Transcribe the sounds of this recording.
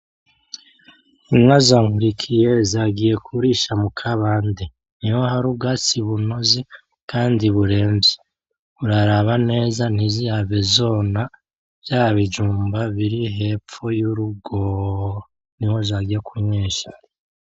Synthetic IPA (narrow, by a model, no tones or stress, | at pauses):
imŋazaŋhuɾikʰije̞zaːɡije̞kʰuɾiʃamukʰaβaːnde | niwohaɾub̚ɡat͡siβuno̞zi | kaːndiβuɾe̞ːmbje | βuɾaɾaβane̞ːzan̥izijaβezo̞ːna | v̥jaːɾaβid͡ʒuːmbaβiɾiɦe̞p͡fojuɾuɡo | niwo̞zaːɡijekʰuɲiːʃḁ